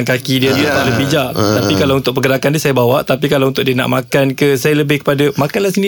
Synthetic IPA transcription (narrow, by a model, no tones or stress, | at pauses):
ŋkakidiad͡ʒiaaʔləbid͡ʒat̪apikalawunt̪ʊk̚pəɡəɾakandiəsajabawaʔt̪apikalawunt̪ʊʔ̚diəna̰ʔmakankəsajaləbɪhkə̥padamakanlahsəni